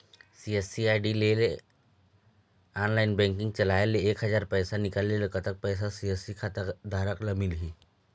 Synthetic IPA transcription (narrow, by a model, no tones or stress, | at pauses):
siesiaːɪɖileːle | aːnlaːɪnbɛ̃ːŋkɪ̃ŋɡ̚t͡ʃɐlaːeleeːkɦɐzaːɾpɛːsanɪkaːlːelekət̪ək̚pɛːs̬asiɛsikʰat̪əd̪aːɾəklamɪlɦiː